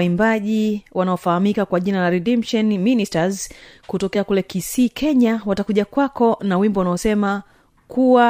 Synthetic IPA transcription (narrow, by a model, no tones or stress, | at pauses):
imbaʄiwanaɔfahamikakwaʄinalaɾɛdɛmpʃɔnministazkutɔkɛakulɛkisiːkʰɛɲawatakuʄakwakɔnawimbɔwanaɔsɛma | kʰuwa